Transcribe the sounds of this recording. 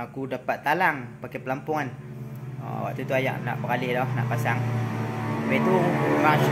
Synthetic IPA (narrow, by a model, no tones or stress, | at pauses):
akudapat̪ːalaŋpakapəlampʊŋan | a̰a̰wa̰ʔt̪ut̪uaja̰ʔna̰ʔbəkalɪhdɔhnaʔpasaŋ | apat̪uma